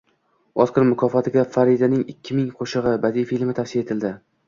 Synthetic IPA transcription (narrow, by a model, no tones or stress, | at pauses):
ɒsqʰɨɾmʊkʰɒfɒt̪ʰɪɡʲafaɾid̪anɪŋɪkʲʰːɪmɪŋqʰoʃɨʁɨbad̪ijfilmɪt̪ʰafsijae̞t̪ʰɪld̪ɪ